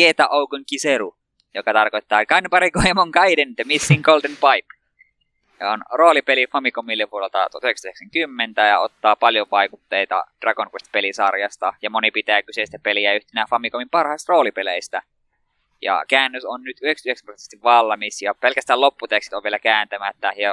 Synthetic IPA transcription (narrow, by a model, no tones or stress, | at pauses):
et̪ɑʔoukuŋkiseɾu | jokɑt̪ɑrkoit̪ːɑːkɑnempɑɾikoimoŋkɑident̪emisːiːŋɡoldenpɑjp | onroːlipelifɑmikomilːepuoɾelt̪ɑt̪uoɑt̪yhekst̪yheksæŋkymːent̪æjɑ̰o̰t̪ːɑːpɑljoʋɑikut̪ːeit̪ɑ̰d̥rɑɡonkwest̪̚pelisɑrjɑst̪ɑjɑmonipit̪æːkysest̪æpeliæyht̪enæːfɑmikomimpɑrhɑist̪roːlipeleist̪æ | jɑ̰kæːnːøsonnyt̪yheksyeksæmprose̥st̪iʋʋɑlːɑmisjɑpelkæst̪æːlopːut̪eksi̥t̪oʋielækæːnt̪æmæt̪ːæjɑ